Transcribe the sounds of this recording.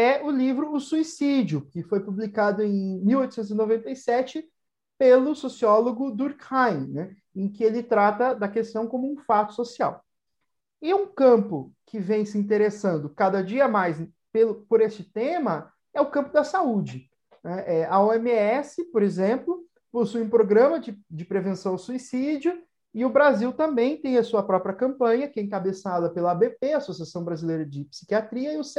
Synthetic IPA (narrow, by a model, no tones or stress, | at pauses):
ɛʊlivɾʊːsuisid͡ʒʊkɪfojpublikad̪ʊẽj̃miwojt̪ʊsẽnt̪ʊzinovẽnt̪ejsɛt͡ʃɪ | pelʊsosiɔloɡʊd̪uɾkhajnɛ | ẽj̃kɪelɪt̪ɾat̪ɐd̪ɐkest̪ɐ̃w̃kõmʊũfat̪ʊ̥sosia̰w | ɪũkɐ̃mpʊ̰kʰɪvẽj̃sɪĩnt̪̬eɾesɐ̃nd̪ʊkad̪ɐd͡ʒiɐmajz | pelʊpoɾesɪt̪ẽmɐ | ɛʊkɐ̃mpʊd̪ɐsaud͡ʒɪ | nɛʔɛɐoemiɛsɪpoɾezẽmplʊ | posujũpɾoɡɾɐ̃mɐd͡ʒɪd͡ʒɪpɾevẽsɐ̃w̃asuisid͡ʒjʊ | ɪʊbɾaziwt̪ɐ̃mbẽj̃t̪ẽj̃ɐsuɐpɾɔpɾiɐkɐ̃mpɐ̃ɲɐkɛẽŋkabesad̪ɐpelɐbepeɐsosiasɐ̃w̃bɾazilejɾɐd͡ʒɪpi̥si̥kiat̪ɾiɐɪʊs